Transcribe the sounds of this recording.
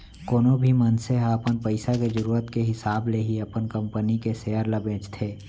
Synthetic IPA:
koːnõbʱimənseɦaəpənpəɪsaked͡ʒəɾuːɾət̪keɦɪsaːbleɦiəpənkə̃mpənikeseːəɾlabʱẽːt͡ʃt̪ʰeː

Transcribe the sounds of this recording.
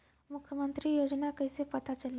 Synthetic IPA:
mukʰjəmənt̪ɾiːjod͡ʑnakəjsepət̪at͡ɕəlːe

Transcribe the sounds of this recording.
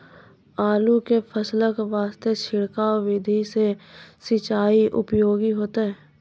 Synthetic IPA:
aːlukepʰəsləkʋaːst̪et͡ʃʰɪɽkaʋɪd̪ʱisesɪt͡ʃaːiʔʊ̰pjoːɡiɦoːt̪aɦɛː

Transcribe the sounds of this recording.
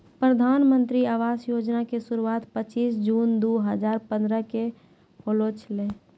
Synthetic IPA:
pɾəd̪ʱanmə̃nt̪ɾiaʋasjod͡ʒnakesuɾuat̪pət͡ʃːiːsd͡ʒuːnd̪oɦəd͡ʒaːɾpə̃nd̪ɾəke | ɦolot͡ʃʰle

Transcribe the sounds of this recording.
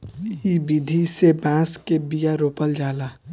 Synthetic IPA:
ibid̪ʱisebãːskebijaɾoːpəld͡ʒaːlaː

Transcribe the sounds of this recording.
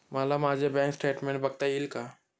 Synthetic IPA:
maləmad͡ʒebɛ̃ŋksʈeːʈmẽɳʈbək̚t̪ailka

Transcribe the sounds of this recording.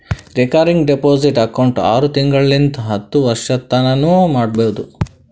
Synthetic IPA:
ɾikaɾiŋɡɖepoːd͡ʒiʈɐkːɐwɳʈa̰ːɾut̪iŋɡɐɭlint̪ɐɦɐt̪ːuʋɐɾʂɐt̪ːɐnɐnumaːɖ̚beud̪u

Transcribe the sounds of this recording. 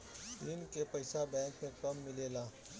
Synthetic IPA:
ɪnkepɐɪsabɛ̃ːŋkmẽkɐmːɪleːlaː

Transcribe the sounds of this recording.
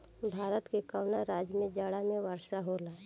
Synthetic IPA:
bʱaːɾət̪kekəwnaɾaːd͡ʒjmẽd͡ʒaːɽamẽʋəɾʃaɦolaː

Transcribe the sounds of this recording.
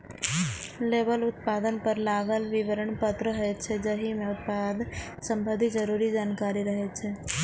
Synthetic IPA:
leːbəlʊt̪̚paːd̪ənpəɾlaːɡəlʋɪʋəɾəɳpət̪ɾəɦəet͡ʃʰed͡ʒəɦimẽʊt̪̚paːd̪ | sə̃mbʱəd̪ʱid͡ʒəɾuːɾid͡ʒaːnkaːɾiɾəɦet͡ʃʰɛ

